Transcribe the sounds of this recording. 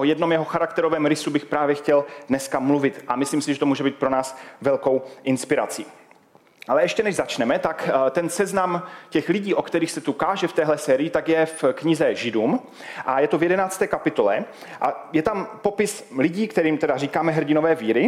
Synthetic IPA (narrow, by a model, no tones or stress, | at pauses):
ʔojɛdno̞mjɛɦo̞xaɾakt̪ɛɾo̞vɛːmɾɪsubɪxpɾaːvjɛxcɛldnɛskamluvɪt̪ʔamɪsliːmsɪʒɛt̪omuːʒɛbiːt̪̚pɾo̞naːsvɛlko̞wʔɪnspɪɾa̰t͡sḭː | ʔalɛɛʃcɛnɛʒzat͡ʃnɛmɛt̪akt̪ɛnsɛznamcɛxlɪɟiːʔo̞kt̪ɛɾiːxsɛt̪ukaːʒɛft̪ɛːɦlɛsɛːɾɪjɪt̪akjɛfkɲɪzɛʒɪduːm | ʔajɛt̪ovjɛdɛnaːt͡st̪ɛːkapɪt̪o̞lɛ̰ | ʔajɛt̪ampo̞pɪslɪɟiːkt̪ɛɾiːmt̪ɛdariːkaːmɛɦr̩ɟɪno̞vɛːviːɾɪ